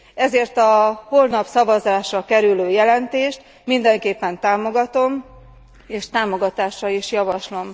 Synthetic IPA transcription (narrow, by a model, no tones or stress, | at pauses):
ɛzeːrt̪ɒho̞lnɒpsɒvɒzaːʃɒkɛɾyløːjɛlɛnt̪eːʃt̪ | mind̪ɛŋkeːpːɛnt̪aːmo̞ɡɒt̪o̞m | eːʃt̪aːmo̞ɡɒt̪aːʃːɒiʃjɒvɒʃlo̞m